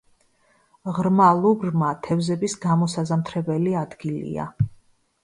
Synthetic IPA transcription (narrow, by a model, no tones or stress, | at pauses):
ʁɾmalˠuɡɾmat̪ʰɛvzɛbisɡamɔsazamt̪ʰɾɛbɛliad̪ɡilḭa̰